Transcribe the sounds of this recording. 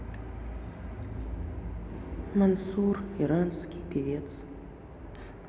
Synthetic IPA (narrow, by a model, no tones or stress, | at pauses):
mɐnsuriɾanskʲipʰevʲet͡sʰ | t͡s